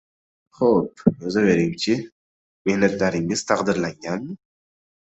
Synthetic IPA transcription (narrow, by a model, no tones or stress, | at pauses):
χop̚ɵzave̞ɾɪmt͡ʃʰɪ | mehnat̪laɾɪŋɪz̥t̪ʰaqd̪ɪɾlaŋɡʲanmɪ